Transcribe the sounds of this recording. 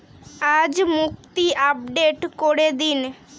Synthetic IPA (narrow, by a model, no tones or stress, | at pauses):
ad͡ʑmukt̪iʔab̚ɖeʈkoɽed̪in